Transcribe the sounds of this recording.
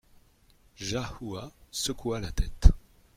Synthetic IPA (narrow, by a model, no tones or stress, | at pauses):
ʒahuasəkualat̪ɛt̪